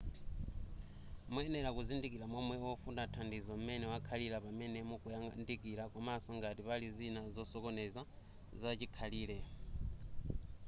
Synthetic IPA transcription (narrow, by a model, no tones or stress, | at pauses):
muɛnɛɾakuzindik̬ilamɔmwɛɔfundatʰandizɔm̩mɛnɛwakʰaliɾapamɛnɛmukujandik̬ʼiɾakɔmasɔŋɡatipalizinazɔsɔkɔnɛza | zat͡ʃikʰaliːlɛ